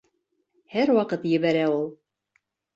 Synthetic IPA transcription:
hæɾwɑqɤt̪jɘ̆βæɾæulˠ

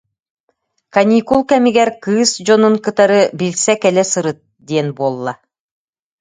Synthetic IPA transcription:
kanʲiːkulˠkɛmiɡɛɾkɯːsd͡ʑɔnuŋkɯt̪aɾɯbilʲsɛkɛlɛsɯɾɯt̪̚ | d̪iɛnbuɔlˠːa

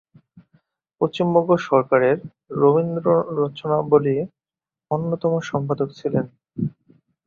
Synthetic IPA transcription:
pɾost͡ɕimbɔŋɡoʃɔɾkaɾeɾː | obind̪ɾoɾɔt͡ɕonaboli | onːot̪ɔmoʃɔmpad̪okt͡ɕʰilen

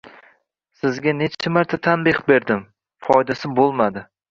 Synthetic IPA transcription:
sɪzɡʲane̞t͡ʃʰamaɾt̪ʰat̪ʰanbɪχbe̞ɾd̪ɪm | fɒjd̪asɪbolˠmad̪ɪ

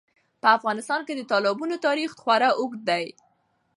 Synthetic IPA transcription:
pəafɣɑnɪst̪ɑnked̪ət̪ɑlɪbunot̪ɑɾixxwaɾaʔʊɡd̪aj

